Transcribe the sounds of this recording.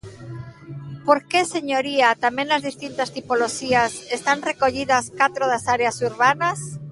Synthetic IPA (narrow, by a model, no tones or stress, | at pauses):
po̞ɾkese̞ɲo̞ɾiat̪amjẽnlazðist̪int̪ast̪ipo̞loxiasest̪anre̞ko̞ʎiðaskat̪ɾoðasaɾeasuɾβanas